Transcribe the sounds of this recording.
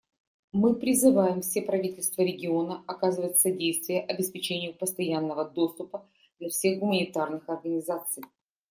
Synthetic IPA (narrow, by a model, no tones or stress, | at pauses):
mɨpɾʲɪzɨvajɪmfsʲe̞pɾɐvʲitʲɪlʲst̪vəɾʲɪɡʲɪo̞nəɐkazɨvətʲsɐdʲejst̪vʲɪjəʔɐbʲɪspʲɪt͡ɕenʲɪjʊpəst̪ɐjanːəvəd̪o̞st̪ʊpə | d̪lʲɐfsʲe̞xɡʊmənʲɪt̪arnɨxɐrɡənʲɪzat̪sɨj